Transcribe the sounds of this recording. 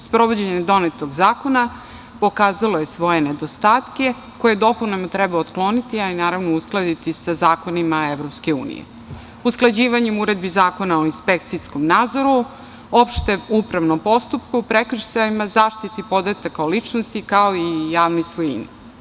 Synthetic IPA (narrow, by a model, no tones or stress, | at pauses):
spɾo̞ʋo̞d͡ʑeɲemd̪o̞net̪oɡzaːko̞na | po̞kaːzaloje̞sʋo̞jened̪ost̪aːt̪ke̞ | ko̞jed̪o̞punemot̪ɾɛbaot̪klˠo̞nit̪iainaːɾaʋnousklˠad̪it̪isazaːko̞nimaeʋɾo̞pske̞ṵːnḭjḛ | usklˠad͡ʑiːʋaɲemuɾe̞d̪bizaːko̞nao̞inspekt̪siskomnaːd̪zo̞ɾu | o̞pʃt̪eupɾaʋnompo̞st̪upkuupɾekr̩ʃt̪aimazaːʃt̪it̪ipo̞d̪at̪akaolit͡ʂnost̪ikaoijaːʋnoisʋojḭnḭ